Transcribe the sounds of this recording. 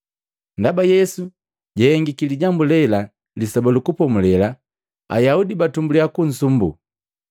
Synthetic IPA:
ndabajɛsu | ɟɛɛŋɡikiliɟambulɛla | lisabalukupɔmulɛla | a̰jaudibatumbuliakun̩sumbṵ

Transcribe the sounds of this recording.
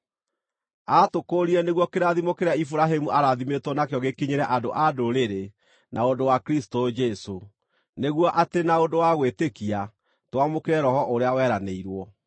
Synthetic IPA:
atokoɾiɾɛneɣwɔkeɾaðimokeɾeaifuɾaɦemuʔaɾaðimetwɔnakjɔɣekiɲeɾɛʔadoʔadoɾeɾe | nʔaodowakɾisi̥tod͡ʒɛso | neɣwɔʔatenaodowaɣwetekia | twamokeɾɛɾɔhɔʔoɾeawɛɾaneiɾwɔ

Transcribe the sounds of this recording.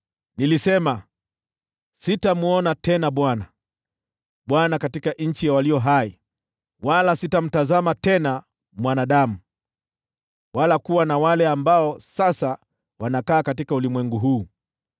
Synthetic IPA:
nilisɛma | sitamuɔnatɛnaɓwana | ɓwanakatikaʔɲ̩t͡ʃijawaliɔɦai | walasitam̩tazamatɛna | mwanaɗamu | walakuwanawalɛambaɔsasa | wanakaːkatikaulimwɛŋɡuɦuː

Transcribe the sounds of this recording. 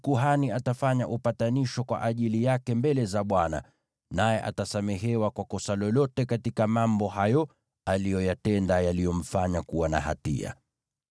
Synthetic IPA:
kuɦaniatafaɲaʔupataniʃɔkwa̰ʔaʄilijakɛmbɛlɛzaɓwana̰ | najɛʔa̰tasamɛɦɛwakwakɔsalɔlɔtɛkatikamambɔhajɔ | alijɔjatɛndajalijɔm̩faɲakuwana̰ha̰tḭa̰

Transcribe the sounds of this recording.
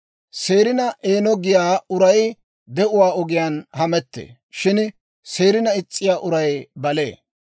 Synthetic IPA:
se̞ːɾɪnɐʔeːnɔɡɪjaːʊɾɐj | d̪ɛʔʊwaːɔɡɪjaːnhɐmɛt̪ːḛː | ʃɪn | se̞ːɾɪnɐɪt͡sʼːɪjaːʔʊɾɐjbɐle̞̰ː

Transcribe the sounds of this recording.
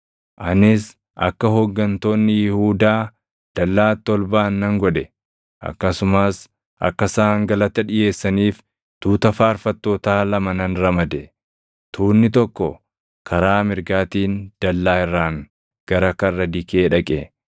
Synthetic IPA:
ʔɐnɪs | ʔɐ̰kːɐɦɔɡːɐnt̪o̞ːnːɪjɪhuːd̪aː | d̪̥ɐlːaːt̪ːɔlbaːnːɐŋɡɔᶑɛ | ʔɐ̰kːɐsʊmaːs | ʔɐ̰kːɐsaːŋɡɐlɐt̪ːɐᶑɪje̞ːsːɐniːf | t̪uːt̪ɐfaːɾfɐt̪ːoːt̪aːlɐmɐnɐnɾɐmɐd̪ɛ | t̪ʰuːnːɪt̪ɔkːɔ | kʰɐɾaːmɪɾɡaːt̪iːnd̪̥ɐlːaːɪrːaːŋ | ɡ̥ɐɾɐkɐrːɐd̪ɪkeːᶑɐkʼɛ

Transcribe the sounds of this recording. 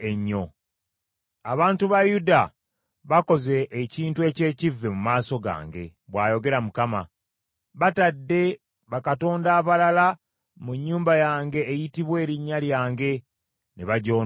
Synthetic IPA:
eɲːo̞ | aβaːntuβajuda | βako̞ze̞ʔːciːntue̞ːce̞ːcivːe̞mumaːso̞ɡa̰ːŋɡe̞̰βwaːjo̞ɡe̞ɾamukama̰ | βatadːe̞ | βakato̞ːndaːβalala | muɲːuːmbajaːŋɡe̞ːjitiβwe̞ːɾiɲːaljaːŋɡe̞ | neβaɟo̞ː

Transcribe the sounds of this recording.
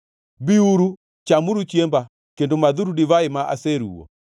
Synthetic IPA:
biuɾu | t͡ʃamuɾut͡ʃiɛmba | kendomaðuɾuɗiβaemaʔa̰sɛɾṵɔ̰

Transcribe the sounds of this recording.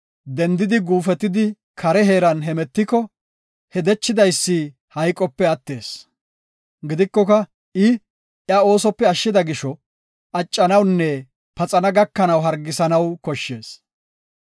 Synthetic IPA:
d̪ɛnd̪ɪd̪ɪɡuːfɛt̪ːɪd̪ɪ | kʰɐɾɛɦe̞ːɾɐnɦɛmɛt̪ːɪkɔ | hɛd̪ɛt͡ʃːɪd̪ɐjsːɪ | hɐjkʼɔpːɛɐt̪ːe̞ːs | ɡɪd̪ɪkːɔkɐ | ɪ | ʔjɐo̞ːsɔpːɛɐʃːɪd̪ɐɡɪʃɔ | ɐt͡ʃʼːɐnɐwnːɛ | pɐt͡sʼɐnɐɡɐkːɐnɐwɦɐɾɡɪsɐnɐwkɔʃːeːs

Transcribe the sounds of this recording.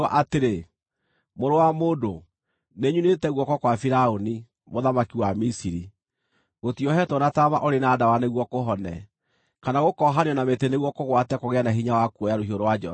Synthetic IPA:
ɔʔateɾe | moɾowamodo | neɲunetɛɣwɔkɔkwafiɾaoni | moðamakiwamisiɾi | ɣotiɔɦɛtɔnatamaʔoɾenaːdawaneɣwɔkoɦɔnɛ̰ | kanaɣokɔɦaneɔnameteneɣwɔkoɣwatɛkoɣeanaɦiɲawakuɔjaɾohioɾowad͡ʒɔ

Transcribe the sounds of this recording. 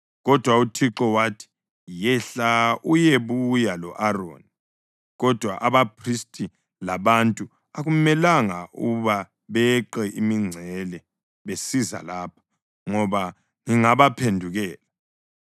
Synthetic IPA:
ɣɔd̥ʱwautʰiǁɔwatʰi̥ | jɛɬaʔujeβujalɔʔaro̰ːni | ɣɔd̥ʱwa̰ʔaβapʰristʼi | laβantʼu | aɣumɛlaŋaʔuβa | βɛǃɛʔimiŋ͡ǀʱɛlɛ | βesiza̰laːpʰḁ | ŋɔβa | ŋiŋaβapʰendʱuɣɛːla

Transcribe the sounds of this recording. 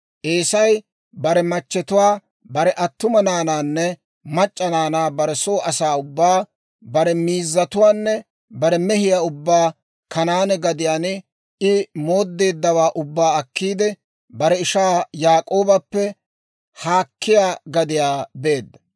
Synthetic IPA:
ʔeːsɐj | bɐɾɛmɐt͡ʃːɛt̪ʊwaː | bɐɾɛʔɐt̪ːʊmɐnaːnaːnːɛ | mɐt͡ʃʼːɐnaːnaːbɐɾɛso̞ːʔɐsaːʊbːaː | bɐɾɛmiːzːɐt̪ʊwaːnːɛ | bɐɾɛmɛɦɪjaːʊbːaː | kɐnaːnɛɡɐd̪ɪjaːn | ɪmoːd̪ːe̞ːd̪ːɐwaːʔʊbːaːɐkːiːd̪ɛ | bɐɾɛɪʃaːjaːkʼo̞ːbɐpːɛ | haːkːɪjaːɡɐd̪ɪjaːbe̞ːd̪ːɐ

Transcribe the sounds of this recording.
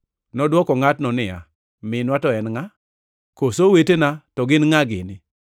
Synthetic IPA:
nɔdwɔkɔŋatnɔnɪa̰ | mɪnwatɔɛnŋa | kosowetenatɔɡɪnŋaɡɪ̰nɪ

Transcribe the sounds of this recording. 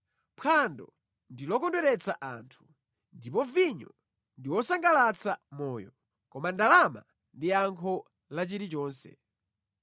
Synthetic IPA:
pʰandɔ | ndilɔkɔndwɛɾɛt͡saʔa̰ːntʰu̥ | ndipɔviɲɔ | ndiwɔsaŋɡalat͡samɔːjɔ | kɔmandalama̰ | ndiaŋkʰɔ | lat͡ʃiɾit͡ʃɔːnsɛ̰

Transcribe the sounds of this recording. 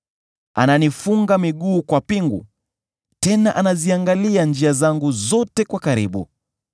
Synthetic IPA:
a̰nanifuŋɡamiɠuːkwapiŋɡṵ | tɛnaʔanaziaŋɡaliand͡ʒiazaŋɡuzɔtɛkwakaɾḭɓṵ

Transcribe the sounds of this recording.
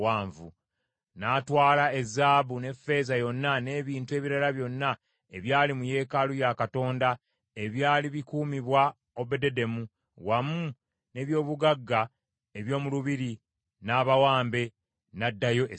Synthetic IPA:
waːɱvu | natwaːlae̞zːaːβune̞fe̞ːzajo̞nːane̞ːβiːntue̞ːβiɾalaβjo̞nːa | e̞βjaːlimuje̞ːkalujakato̞ːnda | e̞βjaːliβikuːmiβwa | o̞βe̞de̞de̞mu | wamu | ne̞βjo̞ːβuɡaɡːa | eβjo̞ːmuluβiɾi | naːβawaːmbe̞ | nadːajo̞ʔ

